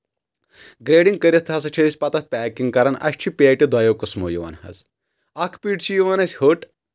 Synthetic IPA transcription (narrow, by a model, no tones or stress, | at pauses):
ɡɾeːɖiŋɡkɐɾʲɐst̪ʰɐsɐt͡ʃʰɐd̪isʲpɐt̪ɐt̪̚pʲæːkiŋɡkɐɾɐnɐ̰ɕt͡ʃʰipʲaːʈʲid̪aːjokɐsmo̰ːjuʋa̰ːnhɐ̰z | ɐkʰpiːʈt͡ʃʰijiʋanɐsʲhoʈ